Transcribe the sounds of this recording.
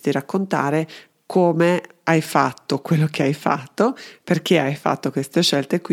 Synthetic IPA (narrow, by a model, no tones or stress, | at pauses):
t̪iɾakːont̪a̰ːɾe | kʰoːme | ajfat̪ːokwelːokeajfa̰t̪ːoperk̟eajfa̰t̪ːokwest̪eʃɛlt̪ekw